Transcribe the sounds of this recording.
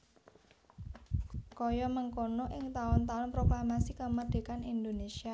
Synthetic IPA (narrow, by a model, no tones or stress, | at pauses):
kojɔməŋkonoʔɪŋt̪aʊnt̪aʊnpɾoklamasikəməd̪̥e̤kanind̪onesia